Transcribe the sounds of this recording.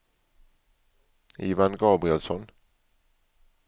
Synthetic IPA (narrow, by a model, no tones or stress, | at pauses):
iːʋɑnɡɑːbɾɪɛlsɔn